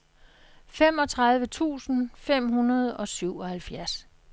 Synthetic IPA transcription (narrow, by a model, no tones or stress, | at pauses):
fem̰ɒ̽t͡sʰʁɑ̈ð̞ˠʋət͡sʰṵːsn̩fem̰ɦunɐð̞ˠɒ̽syʊɒ̽hælfjæɐs